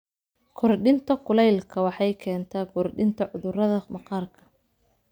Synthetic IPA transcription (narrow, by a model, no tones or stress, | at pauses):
kʰɔrɖɪnt̪ʰɐkʰʊlɛjlkʰɐwɑħɑjkʰɛːnt̪ʰaːkʰɔrɖɪnt̪ʰɐʕʊðʊrɐðɐmɑqɑːrkʰɐ̥